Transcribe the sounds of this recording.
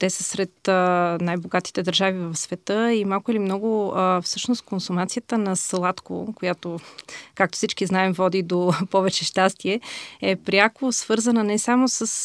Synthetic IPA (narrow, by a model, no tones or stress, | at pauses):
t̪ɛsəsɾɛt̪ənajboɡat̪i̥t̪ɛd̪əɾʒavivɐfsvɛt̪əimalˠkʊilimnɔɡʊəfsɤʃnoskonsumat̪sijət̪ənɐslˠat̪ko̰kojat̪okak̚t̪o̥fsit͡ʃkiznaɛmvɔd̪id̪opɔvɛt͡ʃɛʃt̪ast̪iɛɛpɾʲjakosv̥ɤɾzənənɛsamosəs